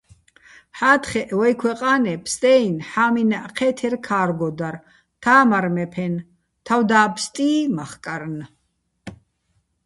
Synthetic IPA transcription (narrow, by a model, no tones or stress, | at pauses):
ħaːt̪χɛʔwɔjkʰwɛqʼaːnɛpʰst̪ʼɛjnħaːminaʔqʰɛːt̪ʰɛɾkʰaːɾɡɔd̪aɾ | t̪ʰaːmaɾmɛpʰɛn | t̪ʰawd̪aːpʰst̪ʼiːmaχkʼaɾn